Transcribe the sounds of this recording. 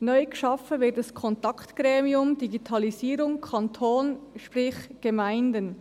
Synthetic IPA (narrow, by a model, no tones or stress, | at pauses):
nɔʏɡ̥əʃɑfəvɪtdɑskʰɔntɑktɡ̥ɾɛːmiʊmdiɡitʰɑliziːɾʊŋkʰɑntʰoːnʃpɾɪχɡ̥əmaɪndən